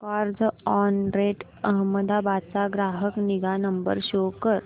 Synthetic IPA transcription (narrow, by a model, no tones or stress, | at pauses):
kaɾd͡zɔnɾeʈ | əɦməd̪abat͡saɡɾaɦəkniɡanəmbə̰ɾɕokəɾ